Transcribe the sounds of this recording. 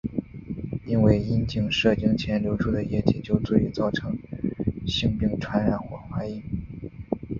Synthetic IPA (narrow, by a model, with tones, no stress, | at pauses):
i˥nwe˥˩ɪi˥nt͡ɕi˥˧ŋʂɤ˥˩t͡ɕi˥ŋt͡ɕʰjɛ˧˥nljo˧˥ʊʈ͡ʂʰu˥d̪ə˩jɛ˥˩t͡ɕi˨˩t͡ɕjo˥˧ʊt͡swu˥˩y˧˥t͡sɑ˥˩ʊʈ͡ʂʰɤ˧˥ŋ | ɕi˥˧ŋpi˥˩ŋʈ͡ʂʰwa˧˥nɻa˧˩nxwɔ˥˩xwa˥ɪi˥˩n